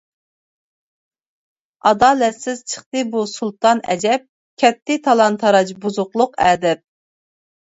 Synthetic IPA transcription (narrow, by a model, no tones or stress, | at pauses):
ɑd̪ɑːlɛt̪sɪz̥t͡ʃʰə̥χt̪ɨbusulˠt̪ɑnɛ̰d͡ʒɛp̚ | kʲʰɛt̪ʰːɪt̪ʰɑlˠɑnt̪ʰɑɾɑt͡ʃbuzʊqlˠʊqɛːd̪ɛp̚